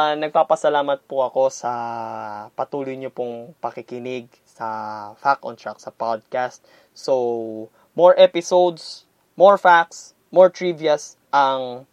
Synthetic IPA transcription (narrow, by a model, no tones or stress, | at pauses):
nɐɡ̚paːpɐsɐlaːmɐt̪̚pʊɐko̞sɐ | pɐt̪uːlojɲopʊŋpɐkɪkɪnɪɡ̚ | sɐfak̚ɔnt̪ɹak̚sɐpad̪̚kast̪̚ | so | moɹʔɛpɪsowd̪s | moɹfak̚s | moɹt̪ɹiviɐs | ʔɐŋ